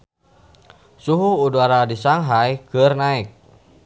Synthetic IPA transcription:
suɦuːduaɾadisaŋɦajkərnaɪk̚

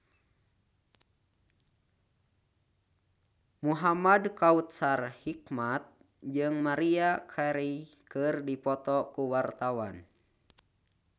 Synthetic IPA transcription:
muɦamadkaut̪̚sarhik̚mat̪̚ | d͡ʒɨŋmaɾiakʰaɾikɨrdipɔt̪ɔkuwart̪awan

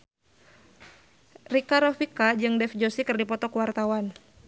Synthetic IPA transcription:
rikaɾɔfikad͡ʒɨŋdɛfd͡ʒosikɨrdipɔt̪ɔkuwart̪awan

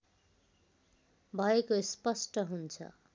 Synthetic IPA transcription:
bʱʌekospʌsʈʌɦunt͡sʰʌ̰

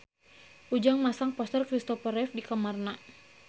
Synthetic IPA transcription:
ʔud͡ʒaŋmasaŋpɔst̪ərkɾist̪ɔfəɾɛfdikamarna

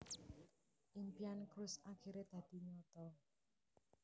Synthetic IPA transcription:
ʔimpiankɾʊsakʰiɾed̪̥ä̤d̪̥i̤ɲɔt̪ɔ

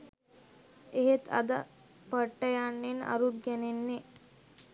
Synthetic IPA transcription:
eɦet̪ɐ̰d̪ə | pəʈːəjaɳːena̰ɾud̪ɡɛnenːe

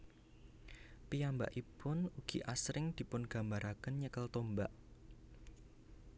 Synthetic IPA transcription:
pijamba̰ʔipʊnuɡ̥iʔasɾɪŋd̪̥i̤pʊnɡ̥a̤mbaɾakənɲəkəlt̪ombaʔ

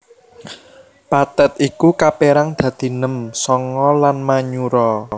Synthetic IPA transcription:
pat̪ɛt̪ikukapeɾaŋd̪̥ä̤d̪̥i̤nəmsɔŋɔlanmaɲuɾɔ

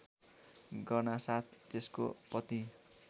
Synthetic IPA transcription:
ɡʌrnasat̪̚ʰːesko̰pʌt̪i

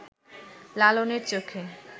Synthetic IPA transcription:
laloneɾt͡ɕokʰe

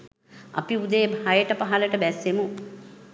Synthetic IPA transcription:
ɐ̰piud̪ejːbʱajəʈɐpaɦɐlɐʈəbæsemu

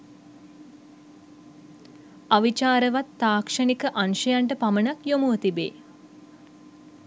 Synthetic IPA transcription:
aʋit͡ʃaːɾəʋat̪ːaːkʂənikəʔanʃəjaɳʈəpamənakjomuət̪ibḛː

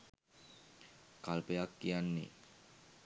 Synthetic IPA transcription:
kalpeakːianːḭ

